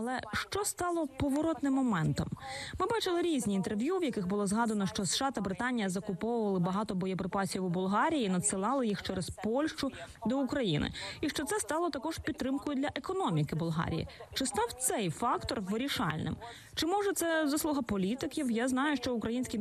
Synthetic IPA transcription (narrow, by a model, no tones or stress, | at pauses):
ɐlˠɛʃt͡ʃɔst̪ɑlˠɔpɔʋɔɾɔt̪nɪmːɔmɛnt̪ɔ̰mmɪbɑt͡ʃɪlˠɪɾʲizʲnʲiiːnt̪erʋjuwjɐkɪxbʊlˠɔzɦɑd̪ɐnɔʃt͡ʃɔsʃɑt̪ɐbɾɪt̪ɑnʲijɐzɐkʊpɔwʊʋɐlˠɪbɐɦɑt̪ɔbɔjɐpɾɪpɑsʲiwubʊlˠɦɑɾʲijiːnɐsɪlˠɑlˠɪjixt͡ʃɛɾɛspɔlʲʃt͡ʃʊd̪ɔʊkɾɐjinɪ̰iʃt͡ʃɔt̪sɛst̪ɑlˠɔt̪ɐkɔʒpʲid̪t̪ːɾɪmkʊjʊdlʲɐʔekɔnɔmʲikɪbʊlˠɦɑ̰ɾʲḭjḭt͡ʃɪst̪ɑwt̪sɛjfɑkt̪ɔrʋɪɾʲiʃɑ̰lʲnɪ̰m | t͡ʃɪmɔʒɛt̪sɛzɐslˠuɦɐpɔlʲit̪ɪkʲiwjaznɑjʊʃt͡ʃɔʊkɾɐjinʲsʲkʲi